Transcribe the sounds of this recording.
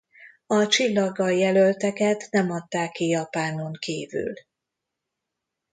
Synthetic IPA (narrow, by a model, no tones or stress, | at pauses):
ɒt͡ʃilːɒɡːɒjɛlølt̪ɛkɛt̪nɛmɒt̪ːaːkːijɒpaːno̞ŋkiːvy̰l